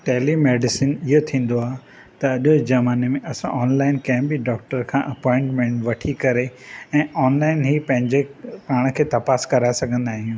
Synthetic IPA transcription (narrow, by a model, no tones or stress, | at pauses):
ʈɛːlimeːɖɪsɪnɪɦot̪ʰĩːn̆d̪oaːɦe | t̪ɐɐʄod͡ʑɐmaːnemẽʔɐsã̰ʔɔːnlaːɪnkɐ̃ɦɪ̃bɪɖɔːk̚ʈəɾkʰãːʔɐpɔːɪ̃ɳʈmẽːɳʈʋɐʈʰikɐɾeɛ̃ːɔːnlaːɪnɦiːpɐ̃ɦɪ̃ɲd͡ʑepaːɽ̃əkʰeːt̪ɐpaːskɐɾaːesɐɡʱə̃nd̪aːɦijũː